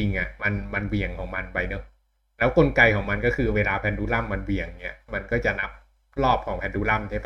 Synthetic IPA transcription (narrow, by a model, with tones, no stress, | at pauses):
i˧ŋʔa˨˩ma˧nma˧nwi˨˩əŋkʰɔː˩˦ŋma˧npa˧jnɤ˦˥k̚ | lɛː˦˥wko˧nka˧jkʰɔː˩˦ŋma˧nkɔː˥˩kʰɯː˧weː˧laː˧pʰɛː˧nduː˦˥la˥˩mːa˧nwi˨˩əŋni˦˥ɐma˧nkɔː˥˩t͡ɕa˨˩ʔna˦˥p̚ | lɔː˥˩p̚kʰɔː˩˦pʰɛː˧nduː˦˥la˥˩mt̪ʰaː˥˩pʰ